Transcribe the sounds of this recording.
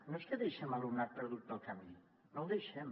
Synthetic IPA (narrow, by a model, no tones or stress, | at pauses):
noeskəðejʃɛmalumnat̪̚pəɾðut̪̚d̪əlˠkami | nowðejʃɛm